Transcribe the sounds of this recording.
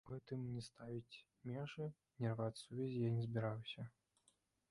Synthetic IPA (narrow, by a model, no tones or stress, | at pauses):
ɦɛt̪ɨmnʲɛst̪avʲit͡sʲ | mʲɛʐɨ | nʲɛrvat͡sʲsuvʲɛzʲijanʲɛzbʲiɾawsʲɐ